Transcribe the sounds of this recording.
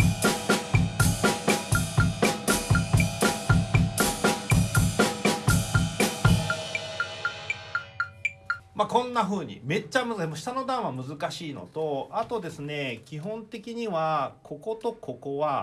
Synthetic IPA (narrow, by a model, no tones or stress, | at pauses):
makõ̞nːaɸɯ̟ːɲ̟ḭme̞t͡ɕːamɯmoɕi̥t̪ano̞d̪ãɰ̃βamɯ̟zɨkaɕiːno̞̰t̪o̞at̪o̞d̪e̞sɨne̞kʲiɦõ̞nt̪e̞kʲiɲ̟iβakʰo̞ko̞t̪o̞kʰo̞ko̞βa